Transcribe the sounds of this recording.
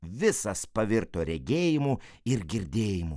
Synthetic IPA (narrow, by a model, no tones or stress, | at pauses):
ʋʲɪsɐspɐʋʲɪɾt̪oːɾʲɛɡʲeːjɪmu | ɪɾɡʲɪɾʲd̪ʲeːjɪmu